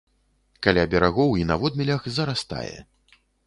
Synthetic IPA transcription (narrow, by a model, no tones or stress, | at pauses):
kalʲabʲɛɾaɣɔwinɐvɔd̪mʲilʲɐxzɐɾast̪a̰jɛ̰